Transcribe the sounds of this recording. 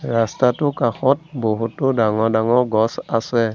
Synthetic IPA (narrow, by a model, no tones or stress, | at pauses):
ɹastatʊkaxɔt̚boɦutʊdaŋɔdaŋɔɹɡɔsasɛ